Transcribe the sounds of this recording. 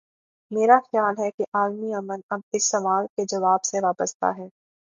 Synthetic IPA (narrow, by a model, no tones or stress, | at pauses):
meːɾaxjaːlɦɛkiʔaːlmiɐmənɐb̚ɪsːɐʋaːlked͡ʒɐʋaːbseʋaːbəst̪a̰ɦɛː